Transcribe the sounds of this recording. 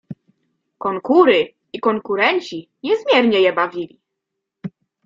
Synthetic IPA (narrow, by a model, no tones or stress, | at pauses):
kɔŋkuɾɘ | ikɔŋkuɾɛɲʲt͡ɕi | ɲɛzmʲjɛɾɲɛjɛbavʲilʲḭ